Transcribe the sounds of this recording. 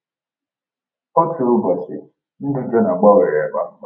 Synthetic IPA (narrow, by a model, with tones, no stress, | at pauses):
o˦t͡ʃu˨ɾʊ˦ba˨sɪ˨ | n̩˦dʊ˦d͡ʒo˦na˨ɡ͡ba˦ɣe˨ɾe˨ba˦